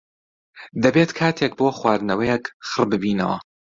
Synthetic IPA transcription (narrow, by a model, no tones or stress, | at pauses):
d̪ɐbeːt̪kʰaːt̪ʰek̚boːχwaːd̪nɐwɐjekχɨrbɨbiːnɐ̰wɐ̰